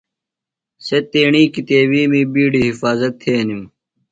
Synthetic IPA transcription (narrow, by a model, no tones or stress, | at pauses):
set̪eːɳiːkit̪eːwiːmiːbiːɖiːɦifaːzɐt̪ʰːeːnjũː